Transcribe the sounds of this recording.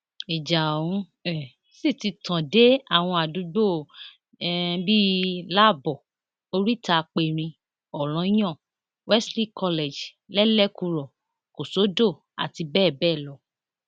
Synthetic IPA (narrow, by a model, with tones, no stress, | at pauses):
i˨d͡ʒã˨ũ˨˦ | ɛ˨ | si˦˨ti˧tã˨de˦a˦˨w̃ɔ̃˧a˨du˨˧ɡ͡bo˦˨ | bi˦la˦˨bɔ˨ | o˧ɾi˦ta˧k͡pe˧˨ɾ̃ĩ˧ | ɔ˨lɔ̃˨˦j̃ɔ̃˦˨ | wɛ˦sli˦kʰɔ˧le˨d͡ʒ | lɛ˦lɛ˦˨ku˧ɾɔ˨ | ko˨so˨˦do˦˨ | a̰˨ti˧bɛː˦˨bɛː˦˨lɔ˨˦